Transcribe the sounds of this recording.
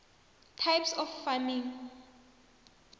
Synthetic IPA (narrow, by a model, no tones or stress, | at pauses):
tʰajpsɔfːamiŋ